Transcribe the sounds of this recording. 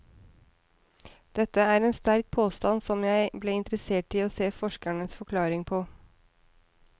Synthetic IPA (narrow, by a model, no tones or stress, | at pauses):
d̪̥ɛt̪ːəæːɾeːnst̪æɾk̚pʰoːst̪ɑnsɔmjæɪbleːɪnt̪ɾəseːʈɪoːseːfɔʂkæɳəsfɔkʰlɑːɾɪŋpʰɔː